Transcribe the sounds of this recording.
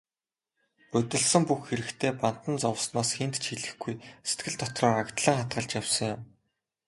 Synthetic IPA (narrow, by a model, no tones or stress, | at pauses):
pɵt̪ɘ̆ɮsə̆mpuxxeɾɘ̆kt̪ʰeːpan̥t̪ə̆nt͡sɔw̆snɔːsxent̪t͡ɕʰxiɮɘ̆xɡujse̥t̪ɡɘ̆ɮt̪ʰɔt̪rɔːɾakt̪ɮə̆ŋχat̪̚ɢə̆ɮt͡ɕjawsɞ̆ŋjʊm